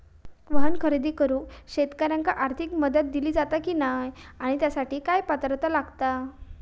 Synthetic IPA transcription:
ʋəɦənkʰəɾid̪iːkəɾuːɕet̪kaɾjaŋkaʔaɾt̪ʰikməd̪ət̪̚d̪iliːd͡zat̪akiːnajaɽ̃it̪jasaʈiːkajpat̪ɾt̪əlaɡt̪a

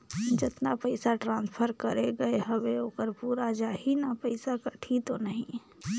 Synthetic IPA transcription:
d͡ʒɪt̪napəɪsaʈɾãːnspʰəɾkəɾeɡɐeɦɐbeoːkəɾpuːɾad͡ʒaːɦinapəɪsakəʈʰit̪onəɦĩ

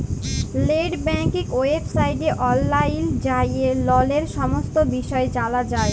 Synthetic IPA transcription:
leɖbɛŋkikoefsajɖeʔɔlːajnd͡ʑajelɔleɾʃɔmost̪obiʃɔet͡ɕalad͡ʑae

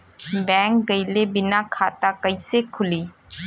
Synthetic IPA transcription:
bɛ̃ːŋk̚ɡəjlebɪnakʰat̪akəisekʰʊliː

